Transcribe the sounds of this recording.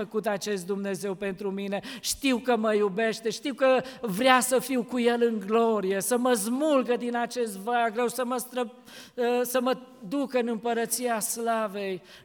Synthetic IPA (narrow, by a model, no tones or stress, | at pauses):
əkut̪at͡ʃe̞st̪̚d̪umne̞ze̞wpe̞nt̪ɾumine̞ʃt̪iwkəməjube̞ʃt̪e̞ʃt̪iwkəvɾeasəfiwkuje̞lɨŋɡlo̞ɾije̞səməzmulɡəd̪inat͡ʃe̞st̪vajaɡɾe̞wsəməst̪ɾə | əsəməd̪ukɨnɨmpəɾət̪siaslave̞j